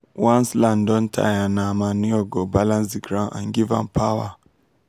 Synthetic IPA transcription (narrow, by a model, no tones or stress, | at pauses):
wanslandɔntʰa̰janamaniɔɡɔbalãnsiɡɾãʔã̰ŋɡivã̰npʰawa